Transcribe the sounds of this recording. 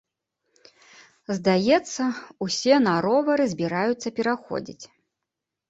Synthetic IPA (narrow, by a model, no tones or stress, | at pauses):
zd̪ajɛt̪sːɐusʲɛnaɾɔvɐɾɨzʲbʲiɾajut̪sːɐpʲɛɾaxɔ̰d͡zʲḭt͡sʲ